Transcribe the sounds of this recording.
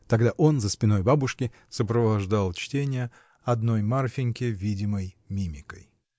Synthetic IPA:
t̪ɐɡd̪aʔo̞nzəspʲɪno̞jbabʊʂkʲɪ | səpɾəvɐʐd̪alˠt͡ɕtʲenʲɪjə | ɐd̪no̞jmarfʲɪnʲkʲɪvʲidʲɪməj | mʲimʲɪkə̰j

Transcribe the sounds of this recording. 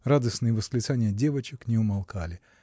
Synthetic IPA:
rad̪əsnɨjəvəsklʲɪt̪sanʲɪjədʲe̞vət͡ɕɪknʲɪʊmɐlˠkalʲɪ

